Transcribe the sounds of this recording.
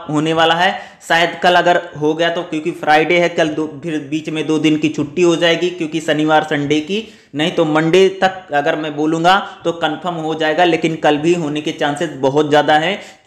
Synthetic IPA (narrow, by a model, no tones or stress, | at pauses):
ɦoːneʋaːlaɦɛ | saːjəd̪kɐlɐɡəɾɦoɡɐjat̪okjõːkipʰɾaːɪɖeɦɛkɐld̪opʰɪɾbiːt͡ʃmẽd̪oːd̪ɪnkit͡ʃʰʊʈːiɦod͡ʒaːeːɡikjõːkisɐniʋaːɾsɐ̃ɳɖeki | nɐɦĩt̪omɐ̃ɳɖet̪ɐkɐɡəɾmɛ̃boːlũːŋ̆ɡat̪okɐnfʰəɾmɦod͡ʒaːeːɡaleːkɪnkɐlbʱiɦoːneket͡ʃãːnsesbɐɦʊt̪zjaːd̪aɦɛ̃